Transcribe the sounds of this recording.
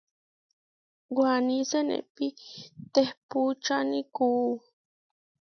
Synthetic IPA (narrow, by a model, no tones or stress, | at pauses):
ɡwanisenḛpit̪ehput͡ʃaniku